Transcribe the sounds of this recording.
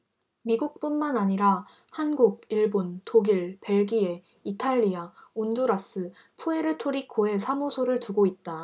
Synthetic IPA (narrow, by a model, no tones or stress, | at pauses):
miɡuk̚p͈unmanaɲiɾa | hanɡuɡ̚iɭbontoɡiɭpe̞ɭɡie̞ | itʰaʎːiaonduɾas͈ɯ | pʰue̞ɾɯtʰoɾikʰoe̞sʰamusʰoɾɯɭtuɡoit̚t͈a